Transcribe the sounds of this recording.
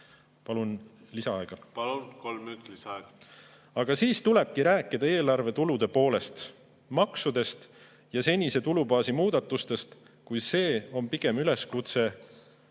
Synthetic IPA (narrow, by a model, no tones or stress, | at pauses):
pɑlun | lisɑɑeɡ̥ɑpɑlunkolmyt̪lisɑɑeɡ̥ɑ̥ | ɑɡ̥ɑsiːst̪ule̞b̥̚kiɾæːkːˑid̪̥ɑe̞ːlɑrve̞t̪ulud̪̥e̞po̞ːle̞st̪ | mɑksud̪̥e̞st̪ | jɑse̞nʲise̞t̪ulubɑːsimuːd̪̥ɑt̪ːˑust̪e̞st̪ | kujse̞ːo̞mpiɡ̥e̞myle̞skut̪se̞